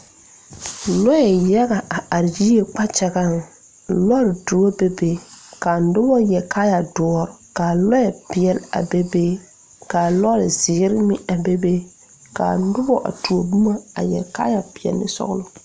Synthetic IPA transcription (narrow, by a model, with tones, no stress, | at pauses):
lɔ˦jɛ˨jɛ˦ɣa˨a˨a˨ɾd͡ʒi˦e˨k͡pa˦t͡ʃɛ˨ɡa˦˨n˨ | lɔ˦ɾɪ˨du˨o˦be˦beː˦kaː˨n̩˦dʊ˦bɔ˦jɛ˨ka˦ja˨dɔ˨ɔ˨ɾʊ˨kaː˨lɔ˦jɛ˨pɪ˨ɛ˨la̰˨be˦be˦ | kaː˨lɔ˦ɾɪ̰˨zɪ˨˦ɾɪ˦mɪ˦a˨be˦be˦ | ka̰ː˨n̩˦dʊ˦bɔ̰˦ʔa̰˨tu˨o˨bu˦ma˦a˨jɛ̰˨ka̰ː˦ja˨pɪ˨ɛ̰˨lːɪ̰˦sɔ̰˦ɣʊ˦lʊ˦